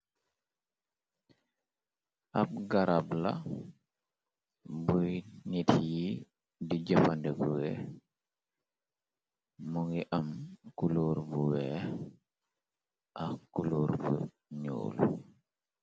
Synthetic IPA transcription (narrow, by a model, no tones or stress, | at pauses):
ʔap̚ɡaɾabla̰ | bujnitji | did͡ʒafandɛbuwɛ | muŋiʔamkuluɾbuwɛ | ʔakuluɾbṵ | ɲṵːl